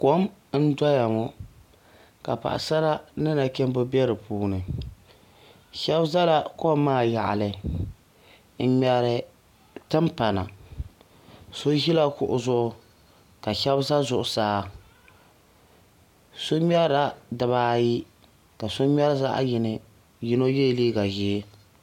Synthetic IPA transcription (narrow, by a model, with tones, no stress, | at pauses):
ko˦mn̩˦dɔ˦ja˨mʊ˦ | ka˨pa̰˨ʔa̰˨sa˦la˦nɨ˦na˨kɛ˦m˦bʊ˦bɛ˦ɾɨ˨puː˦nɨ˨ | ʃɛ˦bza˦la˦ko˦mːaː˦˨ja˨ʔa̰˨lɨ˨ | n̩˨˦ɲɛ˨ɾɪ˨ | tɨ˦mpa˨na̰˨ | so˦ʒi˦la˦kʊ˨ʔʊ˦zʊ˦ʔʊ˨ | ka˨ʃɛ˦bza˦zʊ˨ʔʊ˨saː˦ | so˦ɲ˦ɛ˦ɾa˦dɨ˨βaː˨˦ji˦ | ka˨so˦ɲɛ˦ɾza̰˦ʔjɪ˨nɨ˨ | ji˦no˦je˦˨liː˦ɡa˨ʒɪ˨˦